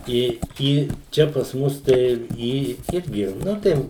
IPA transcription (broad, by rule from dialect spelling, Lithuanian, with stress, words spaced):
ˈɪ ˈiː ˈt͡ʃʲɛ pɐs ˈmʊs tɐɪ ˈiː ˈɪrʲɡʲɪ ˈnʊ tɐɪ